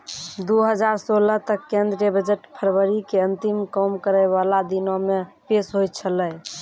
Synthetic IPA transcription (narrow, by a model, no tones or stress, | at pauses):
d̪uɦəd͡ʒaɾsolət̪əkːend̪ɾijəbəd͡ʒeʈpʰəɾwəɾikeə̃nt̪imkəmkəɾəɪβalad̪inomepesɦojt̪̚t͡ʃʰələj